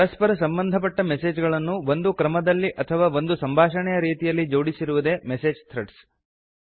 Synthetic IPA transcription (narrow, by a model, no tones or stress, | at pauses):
ɾɐspɐɾɐsɐmbɐnd̪ʱɐp̬ɐʈːɐmese̞ːd͡ʒɡɐɭɐnːuʋond̪ukɾɐmɐd̪ɐlːiʔɐt̪ʰɐʋaːʋo̞nd̪usɐmbʱaːʂɐɳɛjɐɾiːt̪ijɐlːid͡ʒoːɽisiɾuʋud̪e̞ːmese̞ːd͡ʒt̪ʰɾeʈs